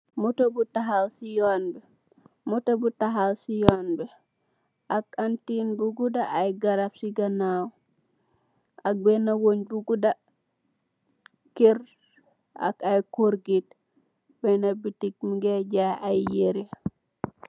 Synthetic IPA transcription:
mutobutaɦalsijɔnbɛ | mutobutaɦalsijɔnbɛ | akantinbuɡudaʔajɡaɾafsiɡanaw | ak̚bɛnawoɲbuɡuda | kiɾ | a̰kajkoɾɡit̚ | bɛnabitikmiɡɛɟaajjeɾi

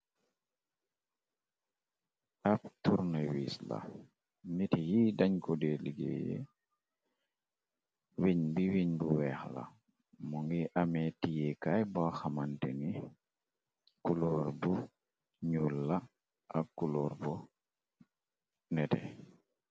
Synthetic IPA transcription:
ap̚tuɾnawisla̰ | nitijidaɲkɔdeliɡḛjḛ | wiɲbiwiɲbuwɛxla̰ | mɔŋɡiʔamɛtijɛkajbaxamantɛni | kulɔːɾbu | ɲulːa | akːulɔːɾbɔ | nɛtɛ̰

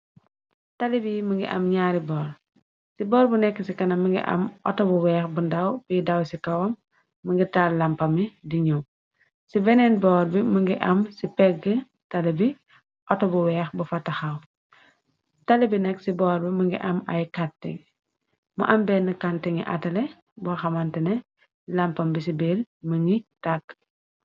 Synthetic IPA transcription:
tɐlibiməŋɡḭʔɐ̰mɲaːɾibɔːl | sibɔːɾbunɛkːəsikɐnɐmːiŋɡḭʔɐ̰mʔɔ̰tɔbuwɛːxbundɐwpidɐwsikɐwɐmː | əŋɡitaːlɐmpɐmidiɲuw | sibɛnɛnbɔːɾbiməŋɡiʔɐmsipɛɡə | tɐlɛbi | ʔɔtɔbuwɛːxbɐfɐtːɐxɐw | tɐlɛbinɛksibɔːɾbimɐŋɡḭʔɐmɐjkantɛ̰ŋ | mɐ̰ʔɐmbɛːnːɐkantɛŋḭʔɐ̰tɐlɛ | bɔxɐmɐntɛnɛ | lampɐmbisibeːlməŋɡitak̚ː

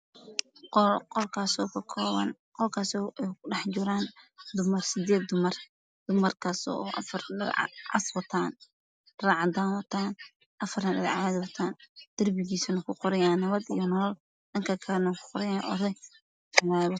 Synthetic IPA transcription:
qqɔlkʰaːsɔːkʰɐkʰɔːβɐ̰n | qɔlkʰaːsɔɛkʰʊɖɑħd͡ʒʊɾaːnd̪ʊmɐrsɪd̪ɛːd̪ʊmɐr | d̪̥ʊmɐrkʰasɔ̰ʔɐ̰fɐrɐʕ̰ʕɑ̰swɐt̪ʰaːn | raːʕɑd̪aːnwɐt̪ʰaːn | ʔɐfɐrnɐɗɐðʕɑd̪wɐt̪ʰaːnd̪̥ɐrbɪɡiːsɐnɐkʰʊqɔɾɐjaːnːɐβɐd̪ḭjɔnɔlɔl | dɐŋkʰɐkʰɐɾnɐkʰʊ̥qɔɾɛjaːnʔɔ̰ɾɛj | law

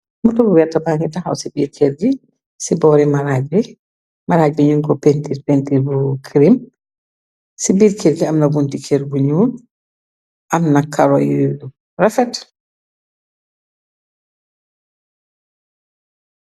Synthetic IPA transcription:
mɔtɔbuwɛtːabaːŋɡitaha̰wsibiːɾkʰɛɾd͡ʒi | sibɔɾimaɾaːɟbɛ | maɾaːɟ̚bɛɲuŋkɔpentiɾpentiɾbukʰɾim | sibiːɾkʰɛɾd͡ʒiamnabuntikʰɛɾbuɲuːn | ʔamnakʰːaɾɔjidu | rafɛt

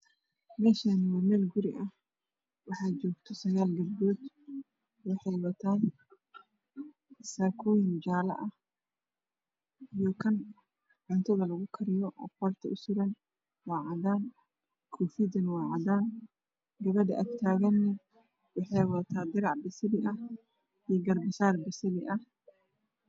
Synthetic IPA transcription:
mɛːʃaːnwɐmɛːlɡʊɾɪ̰ʔɐh | wɑħɑːt͡ʃɔːɡt̪ʰɔsɐɣaːlɡɐlbuːd̪ | wɑħɑjwɐt̪ʰaːn | saːkʰɔːjɪnd͡ʒaːlɐ̰ʔɐh | ijɔkʰɐn | ʕʊnt̪ʰɐðɐlɐɣʊkʰɐɾɪjɔʔɐ̰fɔrt̪ʰɐʔʊsɪɾɐn | wɑːʕɑðaːn | kʰufid̪ɐnwɑːʕɑdaːn | ɡɐβɐdɐ̰ʔɐɡt̪ʰaːɣɐnːɪ | wɑħɑjwɐt̪ʰaːd̪ɪɾɑʕbɪsɪlɪʔɐh | ijɡɐrbɪsaːrbɪsɪlɪʔɐh

